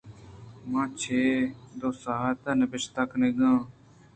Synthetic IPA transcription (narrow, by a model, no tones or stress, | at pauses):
mãːt͡ʃʰeːd̪oːsaːɦt̪aːnebɪʃt̪akneɡãː